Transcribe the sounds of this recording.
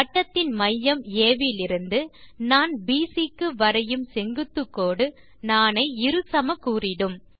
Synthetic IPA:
ɐʈːɐt̪ːɪnmɐjːɐmeːʋilɪɾɯnd̪ɯnaːnbiːsikːɯʋɐɾɐjɯmsɛŋɡɯt̪ːɯkːoːɽɯ | naːnɐɪɪɾɯsɐmɐkːuːrɪɽɯm

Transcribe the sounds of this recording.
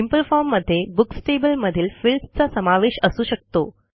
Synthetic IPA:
simpəlfɔɾmːəd̪ʱːjebuksʈebəlməd̪ʱiːlfilst͡sasəmaʋeɕəsuːɕək̚t̪o

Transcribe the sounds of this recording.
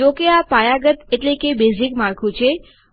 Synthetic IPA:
okeapajaɡət̪eʈlekebesikmaɾkʰũt͡ʃʰe

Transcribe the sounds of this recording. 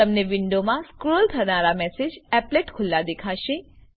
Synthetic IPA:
əmneʋɪɳɖomãskɾolt̪ʰənaɾamɛsed͡ʒɛpleʈkʰʊlːad̪ekʰaʃe

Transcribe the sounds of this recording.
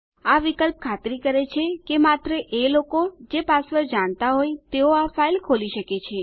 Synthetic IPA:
aʋikəlp̚kʰat̪ɾikəɾet͡ʃʰekemat̪ɾəʔelokod͡ʒepasʋəɾd͡ʒaɳ̃t̪aɦojt̪eoafailkʰoliʃəket͡ʃʰe

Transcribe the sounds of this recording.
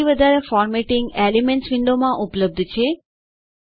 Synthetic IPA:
iʋəd̪ʱaɾefɔɾmeʈɪ̃ŋɡelimeɳʈsʋɪɳɖomãʔupləb̚d̪ʱt͡ʃʰe

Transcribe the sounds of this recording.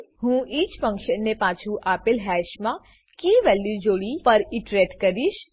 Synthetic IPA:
ɦũiːt͡ʃfə̃ŋkʃənːepaːt͡ʃʰuʔaːpɪlɦɛːʃmã | kiːʋɛːljud͡ʒoːɽipɐɾiʈɾeːʈkɐɾiʃ

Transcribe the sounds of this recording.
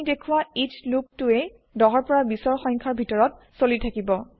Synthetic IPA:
idekʰuwaitluk̚tʊe | dɔɦɔɹpɔɹabisɔɹxɔ̃ŋkʰaɹbʱitɔɹɔt̚ | solitʰakibɔ

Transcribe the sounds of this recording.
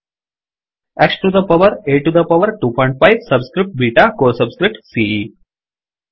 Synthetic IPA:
eksʈud̪ɐpɐʋəɾeːʈud̪ɐpɐʋəɾʈuːpʰɔ̃ɪ̃ɳʈ̚faɪʋsɐbskɾɪp̚ʈ̚biːʈakoːsɐbskɾɪp̚ʈsiːi

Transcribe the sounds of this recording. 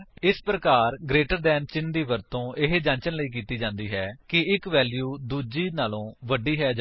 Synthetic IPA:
ɪspɾəkaːɾɡɾeːʈəɾd̪ɛːnt͡ʃɪnd̪iːʋəɾt̪õːʔɪɦed͡ʒãːɲt͡ʃənləiːk̬iːt̪iːd͡ʒãːnd̪iːɦɛːkɪɪkʋɛːljuːd̪uːd͡ʒiːnaːlõːʋəɖiːɦɛːd͡ʒ

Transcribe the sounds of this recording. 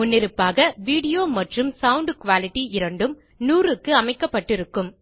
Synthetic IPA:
ʊnːɪɾɯpːaːɣɐʋiːɽɪjoːmɐʈrɯmsɐwʊɳɖkʊʋaːlɪʈːiɪɾɐɳɖɯm | nuːrɯkːɯɐmɐɪkːɐpːɐʈːɪɾɯkːɯm

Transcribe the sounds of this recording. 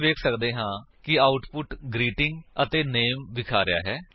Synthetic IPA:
ʋeːkʰsəkd̪eːɦãːkɪaːʊʈpʊʈɡɾiːʈɪ̃ŋɡət̪eːneːmʋɪkʰaːɾɪja̰ːɦɛː

